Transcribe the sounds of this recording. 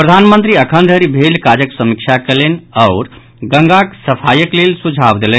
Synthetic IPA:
pɾəd̪ʱanmənt̪ɾiəkʰənd̪ʱəɾibʱelkad͡ʒəksəmikt͡ʃʰakelenaʊɾ | ɡəŋɡaksəpʰajəklelsud͡ʒʱabd̪elen

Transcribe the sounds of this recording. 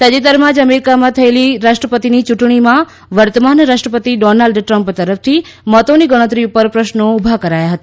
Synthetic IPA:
t̪əd͡ʒit̪əɾmãd͡ʒəmeɾikamãt̪ʰəeliɾaʃʈɾəpət̪init͡ʃuʈɳ̃imã | ʋəɾt̪əmanɾaʃʈɾəpət̪iɖɔnalɖʈɾəmpt̪əɾəft̪ʰimɔt̪oniɡəɽ̃ə̃t̪ɾiupəɾpɾəʃnoubʱakəɾajaɦət̪a

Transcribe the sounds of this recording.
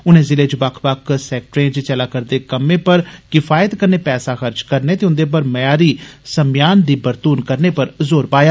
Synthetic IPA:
ʊnẽːzɪleːd͡ʒbakʰbakʰsɛːk̚ʈɾẽːt͡ʃt͡ʃəlaːkəɾd̪eːkəmẽːpəɾkɪfʰaːjət̪kəneːpɛːsaːxəɾd͡ʒkəɾneːt̪eːʊ̃nd̪eːp̬əɾməjaːɾiːsəmjaːnd̪iːbəɾt̪uːnkəɾneːpəɾzoːɾpaːjaː

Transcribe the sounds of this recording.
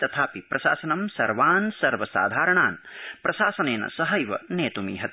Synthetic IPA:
t̪ɐt̪ʰaːpipɾɐʃa̰ːsɐnɐmsɐɾʋaːnsɐɾʋɐsa̰ːd̪ʱaːɾɐɳaːnpɾɐʃaːsɐneːnɐ̰sɐɦɐjʋɐ̰neːt̪umḭːɦɐt̪

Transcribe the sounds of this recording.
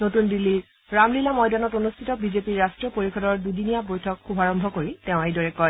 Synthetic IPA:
notundilːiɹ | ɹamlilamɔjdanɔtonustʰitɔbizepiɹːastɹiɔpoɹikʰɔdɔɹdudinijabojtʰɔkxubʱaɹɔmbʱɔkoɹitɛ̃ʊ̃ejdɔɹɛkɔj

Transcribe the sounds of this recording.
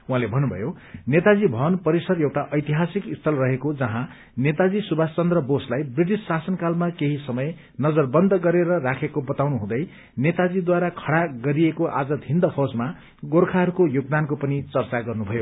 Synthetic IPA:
uɦãlebʱʌnːubʱʌ̰jo | net̪ad͡zibʱʌʌnpʌɾisʌrewʈaʔʌjt̪iɦasikist̪ʰʌlrʌɦekod͡zʌɦã | net̪ad͡zisubʱast͡sʌnd̪rʌboslajbriʈisːasʌnkalmakeɦisʌmʌj | nʌd͡zʌrbʌnd̪ʱʌɡʌɾeɾʌrakʰekobʌt̪awnuɦũd̪ʌj | net̪ad͡zid̪waɾakʰʌɽaɡʌɾiekoʔa̰d͡zʌd̪ʱind̪ʌpʰʌd͡zma | ɡorkʰaɦʌɾukojoɡ̚d̪ankopʌnit͡sʌrt͡saɡʌrnubʱʌjo

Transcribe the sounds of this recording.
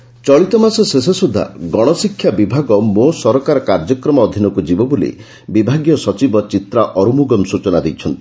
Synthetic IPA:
t͡ʃɔɭit̪ɔmasɔses̬esud̪ʱːa̰ɡɔɽ̃ɔsikʰːjabibʱaɡɔmosɔɾɔkaɾɔkaɾd͡ʒɔkɾɔmɔːd̪ʱinɔkud͡ʒibɔbolḭ | bibʱaɡjɔsɔt͡ʃibɔt͡ʃit̪ɾaʔɔɾumuɡɔmsut͡ʃɔnad̪ejt͡ʃʰɔnt̪i̥

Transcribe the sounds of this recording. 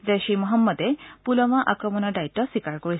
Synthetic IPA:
zeʃimɔɦɔmːɔdɛpulɔmaʔakɹɔmɔnɔdaitːɔswikaɹkoɹis

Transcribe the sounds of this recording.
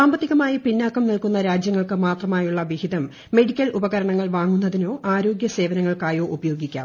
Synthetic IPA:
saːmbɐt̪ːiɣɐmaːjipinːaːkɐmnilkunːɐɾaːd͡ʑjɐŋːɐɭkɨmaːt̪rɐmaːjuɭːɐʋihiðɐmː | e̞ɽikʲːɐlubɐɣɐɾɐɳɐŋːɐɭʋaːŋːun̪ːɐðino̞ːʔaːɾo̞ːɡjɐse̞ːʋɐnɐŋːɐɭkaːjo̞ːʔubɐjo̞ːɡikʲːa̰ːm

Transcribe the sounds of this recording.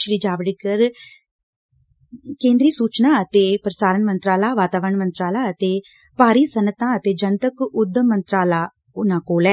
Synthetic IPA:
ʃɾiːd͡ʒaːʋɽikəɾ | kẽːnd̪ɾiːsuːt͡ʃnãːət̪eːpɾəsaːɾənmənt̪ɾaːlaːʋaːt̪aːʋəɾəɳmənt̪ɾaːlaːət̪eː | paːɾiːsənət̪ãːət̪eːd͡ʒənt̪əkʊd̪ːəmənt̪ɾaːlaː | ʊnãːkoːlɛː

